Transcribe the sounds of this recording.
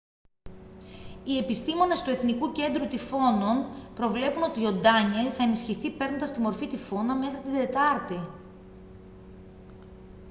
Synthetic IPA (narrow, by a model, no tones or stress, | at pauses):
ie̞pist̪imo̞ne̞st̪ue̞θnikuce̞nd̪ɾut̪ifo̞no̞npɾo̞vle̞puno̞t̪io̞d̪ɐɲe̞lθɐe̞nisçiθipe̞ɾno̞nd̪ɐst̪imo̞ɾfit̪ifo̞nɐme̞xɾit̪id̪e̞t̪ɐɾt̪i